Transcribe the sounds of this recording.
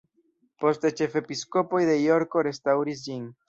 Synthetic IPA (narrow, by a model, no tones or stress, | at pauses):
po̞st̪et͡ʃe̞fepiskopojðe̞jo̞ɾkoɾe̞st̪awɾisd͡ʒiŋ